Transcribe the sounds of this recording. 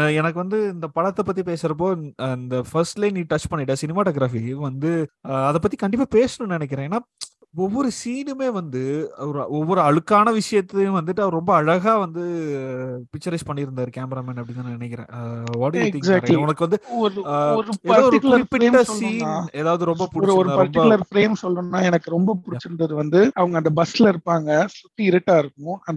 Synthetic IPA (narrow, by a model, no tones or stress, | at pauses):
ɛnɐkːɯʋɐnd̪ɯɪnd̪ɐpɐɽɐt̪ːɐpːɐt̪ːipeːsɪɾɐp̬oːɪnd̪ɐfɐɾsʈlɐɪniːʈɐt͡ʃpɐɳːɪʈːɐsɪnɪmaːʈɐːɡɾaːfiʋɐnd̪ɯɐðɐpːɐt̪ːikɐɳɖɪp̬ːaːpeːsɐnʊ̃nɪnɛk̬ːɪɾẽːeːnːaː | ɔʋːɔɾɯsiːnɯmeːʋɐnd̪ɯɐɾɔʋːɔɾɯɐɻɯkːaːnɐʋɪʂɐjɐt̪ːʋɐnd̪ɯʈːɯɐʋɐɾɾɔmbɐɐɻɐɣaːʋɐnd̪ɯ | pɪkt͡ʃːɐɾɪspɐɳːɪɾɯnd̪aːɾɯkaːmɾaːmɛːnɐpːɐɽɪnːaːnnɪnɛkːɪɾḛ̃ːʋaːʈijt̪ɪ̃ŋsːɾlɔnɐkːɯʋɐnd̪ɯɔɾɯɾɯɛːɐaːðɔɾɪklɐɾɪpːɪɾːɐɔsiːanːeːðaːʋɐðɯɾɔmbɐpʊɽɔɪɾt͡ʃɔɾɯapɐɾmʈɪɐɯlɐɾpɾeːmsɔlːɾɯnːaːɛnɐkːɯɾɔmbɐpʊɽɪt͡ʃːɯnɖɐðɯʋɐnd̪ɯɐʋɐŋɡɐːnd̪ɐbɐsɪlɪɾɯpːaːŋɡɐsʊt̪ːɯɪɾɯʈːaːɪɾɯkːʊ̃ɐnd̪